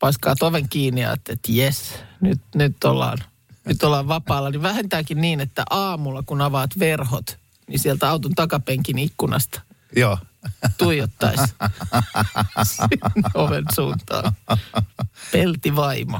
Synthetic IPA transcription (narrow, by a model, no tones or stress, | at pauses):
pɑskɑːt̪oʋeŋkiːniɑ̰ːt̪ːeet̪jesnyt̪nyt̪ːolːɑ̰ːn | nyt̪olːɑːʋʋɑpɑːlːɑniʋʋæhent̪æːkinniːnet̪ːæ̰ʔɑːmulːɑkunɑʋɑːt̪ʋerhot̪ | nisielt̪ɑut̪unt̪ɑkɑpeŋkinikːunɑ̰st̪ɑ̥ | joːt̪uijot̪ːɑ̰is | sinoʋensuːnt̪ɑ̰ːn | pelt̪iʋɑimo